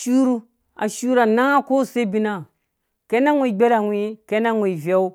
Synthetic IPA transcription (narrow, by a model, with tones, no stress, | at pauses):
ʃu˦ɾu˦ | a˨ʃu˦ɾa˨na˦ko˦se˦bi˦na˦ | ke˦na˦ŋʷe˨ɡ͡be˦ɾa˨ŋʷi˦ke˦na˦ŋʷe˨i˨vʲa˦u˦